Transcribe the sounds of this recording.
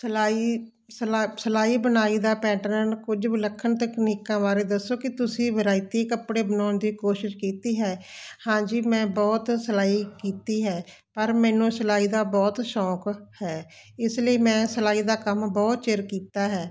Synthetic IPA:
səlaːiː | səasəlaːiːbənaːiːd̪aːpɛːʈəɾənkʊd͡ʒʋɪləkʰːənt̪əkniːkãːʋaːɾeːd̪əsːoːkɪt̪ʊsĩːʋəɾaːit̪eːkəpɽeːbənaːnd̪iːkoːʃɪʃkiːt̪iːɦɛːhãːd͡ʒiːmɛ̃ːbɔːt̪səlaːiːkiːt̪iːɦɛː | pəɾmɛ̃ːnũːsəlaːiːd̪aːbɔːt̪ʃɔːkhɛː | ɪsləiːmɛ̃ːsəlaːiːd̪aːkəmbɔːt̪t͡ʃɪɾkiːt̪aːɦɛː

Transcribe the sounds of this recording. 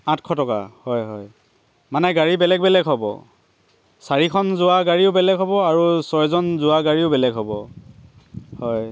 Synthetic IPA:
ãtʰkʰɔtɔka̰hɔjɦɔj | manɛɡaɹibɛlɛɡ̚bɛlɛɡɦɔbɔ̰ | saɹikʰɔnzʊwaɡaɹiʊbɛlɛɡɦɔbɔaɹusɔɹzɔnzʊwaɡaɹiʊbɛlɛɡɦɔbɔ | hɔj

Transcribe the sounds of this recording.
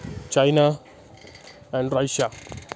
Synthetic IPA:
t͡ʃajna | ãnɾajʃa

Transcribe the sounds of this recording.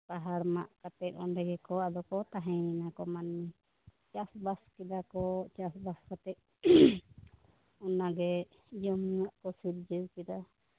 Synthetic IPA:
paɦaɾmaʔkat̪ɛt̪̚ɔnɖɛɡɛkɔad̪ɔkɔt̪aɦɛ̃inakɔmanmi | t͡ʃasbaskɛd̪akɔt͡ʃasbaskat̪ɛʔ̚ | ɔnaɡɛ | d͡ʒəmaʔkɔsiɾd͡ʒəwkɛd̪a

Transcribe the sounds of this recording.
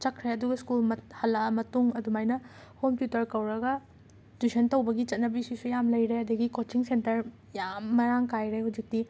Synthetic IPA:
t͡ʃɐkʰɾeɐduɡɐskulmɐhɐlːɐmɐtuŋɐdumajnɐ | kompjutɐɾkɐwɾɐɡɐ | dusʰɐntɐwbɐɡit͡ʃɐt̚nɐbisisujamlɐjɾeɐdɐɡikot͡ʃiŋsentɐɾ | jamːɐɾaŋkajɾejɦuwd͡ʒik̚ti

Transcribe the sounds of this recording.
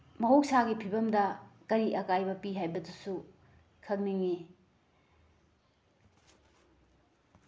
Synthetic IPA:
mɐɦok̚saɡipʰibɐmdɐkɐɾiʔɐkajbɐpiɦajbɐdusu | kʰɐk̚niŋi

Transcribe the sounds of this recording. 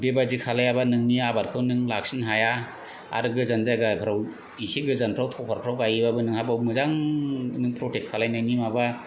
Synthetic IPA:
bebadikʰalajabanɯŋniabaɾkʰɯwnɯŋlaksiŋɦaja | a̰ɾɯɡɯzanzajɡapʰɯɾaw | iseɡɯzanpʰɾawtʰɔwpʰaɾpʰɾawkajibabɯnɯŋhabawmɯzaŋnɯŋpɾotek̚ʰalajnajnimaba

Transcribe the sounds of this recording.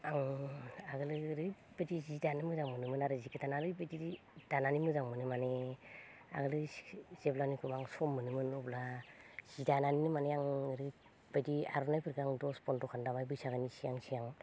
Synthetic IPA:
aŋaɡɯlɯɾɯ | badizidanɯmɯzaŋmɯnɯmɯnaɾɯzikʰɯtanaɾɯjbadii | d̥ananimɯzaŋmɯnɯmane | a̰ɡɯlɯz̥eblanikʰumaŋsɔmːɯnɯmɯnublaz̥idananinɯmaneaŋɾɯ | badia̰ɾɔnajpʰɯɾɡɯaŋdɔspɔntɔkʰandamajbɯjsaɡanisiaŋsijaŋ

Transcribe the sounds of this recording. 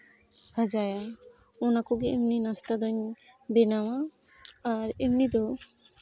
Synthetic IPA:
həd͡ʒaja | ɔnakoɡiemninast̪ad̪ɔɲbenawaː | ɾemnid̪ɔ

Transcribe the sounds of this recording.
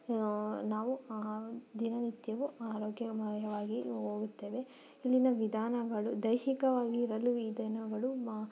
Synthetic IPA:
naːʋu | d̪inɐnit̪jɐʋuaːɾoːɡjɐɡjɐʋaːɡiɦo̞ːɡut̪ːe̞ːʋe̞ | ilːinɐʋid̪ʱaːnɐɡɐɭud̪ɐjɦikɐʋaːɡiːɾɐlːuid̪ʱɐnɐɡɐɭu

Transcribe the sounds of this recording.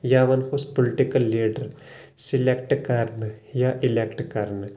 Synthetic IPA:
jaːʋɐnxospolɪʈɪkəlːiːɖəɾ | sɪlek̚ʈkɐɾn | jaʔɪlekʈkɐɾn

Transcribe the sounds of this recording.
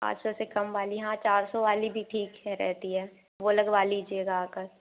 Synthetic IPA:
pa̰ːt͡ʃsɔsekɐmʋaːliɦãt͡ʃaːɾsɔʋaːlibʱiʈʰiːkɦɛɾɛ̰ɦt̪iɦɛː | ʋolɐɡʋaːliːd͡ʒieːɡaːkəɾ

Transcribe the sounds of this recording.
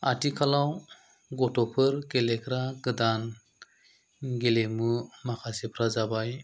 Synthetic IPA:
a̰tikʰalaw | ɡɔtɔpʰɯɾkelekɾaɡɯdan | ɡelemɯmakʰasepʰɾazabaj

